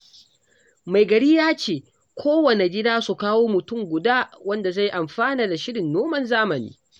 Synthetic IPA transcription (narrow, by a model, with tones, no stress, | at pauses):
ma˨jɡɐ˨ɽi˦jaː˦t͡ʃeː˨ | kʷʰoː˦wɐ˨ne˨ɡʲɪ˦daː˦su˨kaː˦woː˦mʊ˨tʊ˦˨ŋɡʷʊ˨daː˦wɐ˦nda˨za˦˨jʔa˨mɸaː˦naː˨da˨ʃɪ˦ɽɪ˨nːoː˦mɐ˦nzaː˦mɐ˨nḭː˦